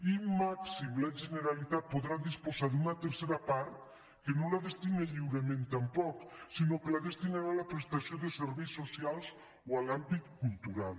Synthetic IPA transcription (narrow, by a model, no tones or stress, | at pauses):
immaksimlaʒeneɾalit̪at̪̚poðɾaðispozad̪unat̪eɾseɾapaɾt̪ | kenolaðest̪ineʎiwɾemẽnt̪ampɔksinokelaðest̪inaɾaːlapɾest̪asioðeseɾβejsːosialˠz | oalambit̪kulˠt̪uɾal